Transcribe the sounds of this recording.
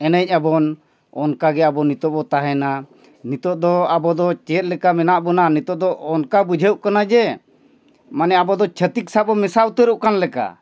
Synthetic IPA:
ɛnəc̚ˀabɔn | ɔnkaɡɛabɔnit̪ɔbɔt̪aɦɛna | nit̪ɔʔ̚d̪ɔabɔd̪ɔt͡ʃɛt̪̚ˀlɛkamɛnaʔbɔnanit̪ɔʔd̪ɔʔɔnkabud͡ʒʱəʔkanad͡ʒɛ | manɛabɔd̪ɔt͡ʃʰət̪ik̚sabɔmɛsaut̪əɾuʔkanlɛka̰

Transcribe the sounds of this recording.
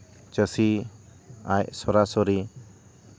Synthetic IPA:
t͡ʃəsi | ajsɔɾasɔɾi

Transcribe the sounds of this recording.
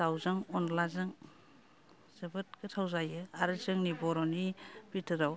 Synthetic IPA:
sawzɯŋɔnlazɯŋ | z̥ɯbɯt̚kɯtʰawzajɯaɾɯzɯŋnibɔɾɔnibitʰɯɾaw

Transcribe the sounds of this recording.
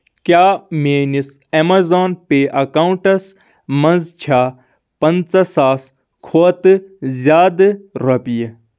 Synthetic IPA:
kʲjaːmeːnis | emɐzaːnpeːʔɐkauɳʈɐs | mɐnzt͡ʃʰaː | pɐnt͡sɐsaːs | kʰoːt̪ɨzʲaːd̪ɨɾɐpije

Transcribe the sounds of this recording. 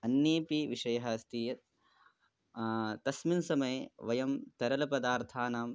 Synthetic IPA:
ɐnːeːpiʋiʃɐjɐɦɐːst̪iːjɐt̪ | t̪ɐsminsɐmɐjeʋɐjɐmt̪ɐɾɐlɐpɐd̪aːɾt̪ʰaːnaːm

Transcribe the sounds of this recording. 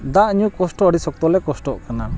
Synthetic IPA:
d̪aʔɲukɔsʈɔəɖisɔk̚t̪ɔlɛkɔsʈɔʔkana

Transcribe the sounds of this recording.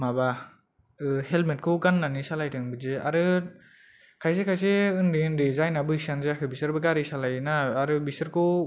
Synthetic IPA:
maba | ɯhelmet̚kʰɯwɡanːanisalajtʰɯŋbɯzea̰ɾɯ | kʰajs̬ekʰajseɯndiɯndizajnabɯhisanzeakʰɯbisɯɾbɯɡaɾisalajnaːɾɯbisɯɾkʰɯw

